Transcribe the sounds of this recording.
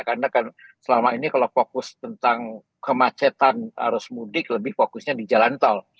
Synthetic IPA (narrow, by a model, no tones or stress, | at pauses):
karnakansəlamainikalofokʊst̪ənt̪aŋ | kəmat͡ʃɛt̪anha̰ɾʊsmudɪkləbɪhfokʊsɲadid͡ʒalant̪ɔl